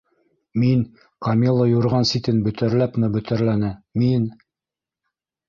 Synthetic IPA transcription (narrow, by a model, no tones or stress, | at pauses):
min | qɑmilˠːəjuɾʁɑnsit̪ɘnbɵ̆t̪æɾlæpmɘbɵ̆t̪æɾlænɘmin